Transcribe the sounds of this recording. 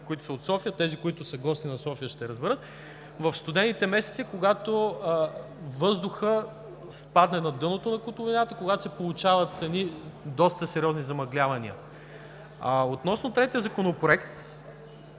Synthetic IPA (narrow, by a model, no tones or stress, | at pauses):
koit̪ʊ̥səot̪sɔfijət̪ɛzikoit̪ʊsəɡɔst̪inɐsɔfijəʃt̪ɛɾəzbɛɾɤt̪̚ | vɐfst̪ʊd̪ɛnːit̪ɛmɛsɛt̪sikoɡat̪o | vɤzd̪ʊxə | spad̪nɛnɐd̪ɤnot̪onɐkʊt̪ʊvʲinat̪əkoɡat̪o̥sɛpolˠut͡ʃavɐt̪sɛnid̪ɔst̪əsɛɾʲiɔznizɐmɐɡlʲavɐniə̰ | aot̪nɔsnot̪ɾɛt̪ijəzɐkonopɾoɛkt̪